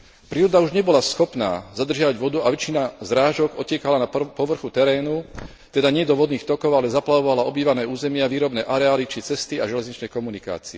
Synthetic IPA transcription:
pɾiːɾɔd̪auʒɲɛbɔlasxɔpna̰ːzad̪r̩ʒɪaʋaɟʋɔd̪uaʋɛt͡ʃinazɾaːʒɔɡɔcɛkalanapɔʋr̩xut̪ɛɾɛːnu | t̪ɛd̪aɲɪɛd̪ɔʋɔd̪niːxt̪ɔkɔʊalɛzaplaʋɔʋalaɔbiːʋanɛːuːzɛmɪaʋiːɾɔbnɛːʔaɾɛaːlit͡ʃit͡sɛst̪iaʒɛlɛzɲit͡ʃnɛjkɔmunika̰ːt͡siɛ

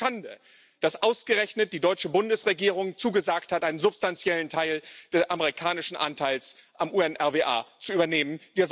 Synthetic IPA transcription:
andə̰ | d̥asʔaʊsɡ̥əʁɛçnət̚d̥iːdɔʏt͡ʃəbʊndəsʁeɡiːʁʊŋt͡suːɡəzaːkthatʔaɪnənzʊpstant͡sjɛləntʰaɪld̥ɛsʔaməʁikʰaːnɪʃn̩ʔa̰ntʰaɪlsʔamʔuːɛnʔɛɐveːʔa̰ːt͡suyːbɐneːmənv̥iːɐz

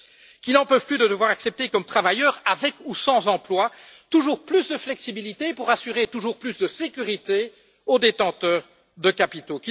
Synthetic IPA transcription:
kʲilnɑ̃pøv̥plyd̪əd̪əvwaʁaksɛp̚t̪ekɔmt̪χavajœːʁavɛkusɑ̃zɑ̃plwa | t̪uʒuːʁplysd̪əflɛksibilit̪epuʁasyʁet̪uʒuːʁplysd̪əsekʲyʁit̪e | od̪et̪ɑ̃t̪œːʁ | d̪əkapit̪oki

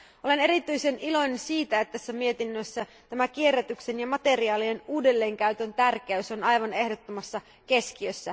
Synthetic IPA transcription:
ʔo̞le̞ne̞ɾit̪yjse̞nʔilo̞jnensiːt̪æet̪ːtæsːæmie̞t̪inːøsːæt̪æmæk̟ie̞rːæt̪ykse̞njɑmɑt̪e̞riɑːlienuːde̞lːe̞ːŋkæyt̪ø̞nt̪ærk̟eyso̞nɑjʋɑne̞hdo̞t̪ːomɑsːɑ | ke̞skiøsːæ

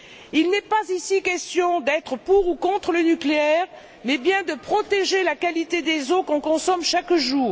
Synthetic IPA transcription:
ilnɛpazisikʲɛst̪jɔ̃d̪ɛt̪χəpuʁukɔ̃t̪χələnykleɛːʁ | mɛbjɛ̃d̪əpχɔt̪eʒelakalit̪ed̪ezokɔ̃kɔ̃sɔmʃakʒuːʁ

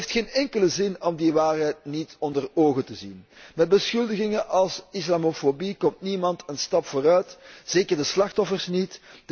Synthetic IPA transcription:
ftxeːnɛŋkələzɪnɔmdiʋaːrɦɛjt̚nitɔndəroːɣətəzinmɛd̚bəsxɵlˠdəɣɪŋəʔɑlˠsislaːmofobikɔmtnimɑntənstɑpfoːɾœɥtz̥eːkərdəslɑxtɔfərsnitd

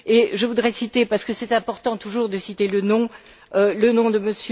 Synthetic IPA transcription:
eʒəvud̪ʁɛsit̪epaʁsə̥kəsɛt̪ɛ̃pɔʁt̪ɑ̃t̪uʒuʁd̪əsit̪elənɔ̃ | ølənɔ̃d̪əməsj

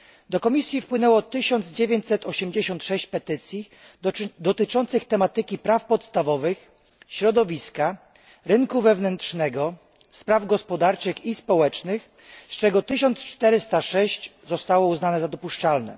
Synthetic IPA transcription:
d̪ɔkɔmʲisʲjifpwɘnɛwɔt̪ɘɕɔnd̪zd͡ʑevʲjeɲt͡ɕsɛt̪ɔɕɛmd͡ʑeɕɔnt̪ʂɛɕt͡ɕpɛt̪ɘt̪sʲji | d̪ɔt̪ɘt͡ʂɔnt̪sɘxt̪ɛmat̪ɘkʲipɾafpɔt̪st̪avɔvɘx | ɕɾɔd̪ɔvʲiska | ɾɘŋkuvɛvnɛnt̪ʂnɛɡɔ | spɾavɡɔspɔd̪aɾt͡ʂɘxispɔwɛt͡ʂnɘx | st͡ʂɛɡɔt̪ɘɕɔnt̪st͡ʂt̪ɛɾɘst̪aʂɛɕt͡ɕzɔst̪awɔuznanɛzad̪ɔpuʂt͡ʂalnɛ̰

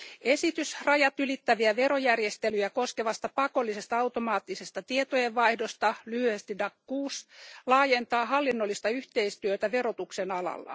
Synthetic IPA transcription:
e̞sit̪ysrɑjɑt̪ylit̪ːæʋiæʋe̞ɾojærjest̪elyjæko̞skeʋɑst̪ɑpɑko̞lːise̞st̪ɑɑwt̪omɑːt̪ːisest̪ɑt̪iet̪ojeʋʋɑihdost̪ɑlyhyest̪idɑkːuːslɑːjent̪ɑːhɑlːinːolːist̪ɑyht̪eist̪yøt̪æʋeɾo̞t̪uksenɑlɑ̰lːɑ̰

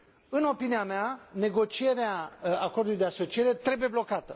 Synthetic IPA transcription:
ɨno̞piniameane̞ɡo̞t͡ʃie̞ɾeaakord̪ulujd̪e̞aso̞t͡ʃie̞ɾe̞t̪ɾe̞buje̞blo̞kat̪ə

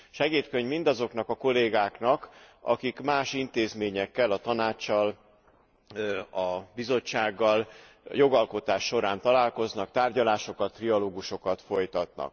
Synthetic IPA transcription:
ʃɛɡeːt̪køɲvmind̪ɒzo̞knɒkɒko̞leːɡaːknɒkɒ̰kikmaːʃint̪eːzmeːɲɛkːɛlɒt̪ɒnaːt͡ʃːɒl | ɒbizo̞t͡ʃːaːɡːɒl | jo̞ɡɒlko̞t̪aːʃːo̞ɾaːnt̪ɒlaːlko̞znɒkt̪aːrɟɒlaːʃo̞kɒt̪ːriɒloːɡuʃo̞kɒt̪fo̞jt̪ɒt̪̚nɒ̰k̚

